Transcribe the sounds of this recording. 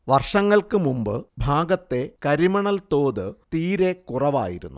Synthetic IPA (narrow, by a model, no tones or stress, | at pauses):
ʋɐrʂɐŋːɐɭkɨmumbɨ̰bʱaːɡɐt̪ːe̞kɐɾimɐɳɐlt̪o̞ːðɨt̪iːɾe̞kurɐʋa̰ːjḭɾunːu